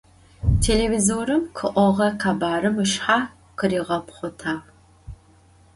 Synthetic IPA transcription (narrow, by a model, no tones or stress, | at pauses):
tʰeːlevizoːɾɨmqʰɨʔʷɔʁɐqʰaːbaːɾɨmɨʃħaː | qəɾiːʁɐpχʷʊtʰaːʁ